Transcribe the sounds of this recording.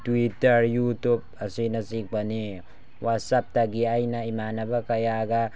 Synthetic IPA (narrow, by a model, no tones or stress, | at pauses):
tuitɐɾjutub̚ɐsinɐsik̚bɐni | wat̚sap̚taɡiajnɐimanɐbɐkɐjaɡa